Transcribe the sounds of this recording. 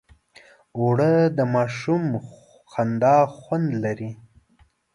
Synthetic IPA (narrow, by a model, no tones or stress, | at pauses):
oɽəd̪əmɑʃum | xand̪ɑxwand̪laɾi